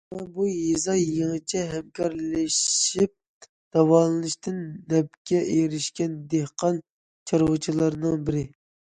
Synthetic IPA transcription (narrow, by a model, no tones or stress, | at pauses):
ɑbujezɑjeŋɨt͡ʃʰɛɦɛmkʲʰɑɾlɪʃip̚ | d̪̥ɑwɑlˠɨnɨʃt̪ɨnːɛp̚kʲɛʔejɾɪʃkʲɛnd̪ehqʰɑn | t͡ʃʰɑɾʁʊt͡ʃʰilˠɑɾnɨŋbɪɾɪ